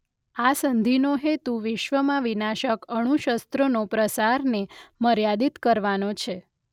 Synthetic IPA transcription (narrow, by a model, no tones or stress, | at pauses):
asənd̪ʱinoɦet̪uʋɪʃʋəmãʋinaʃəkəɽ̃ũʃəst̪ɾonopɾəsaɾneməɾjad̪it̪kəɾʋanot͡ʃʰe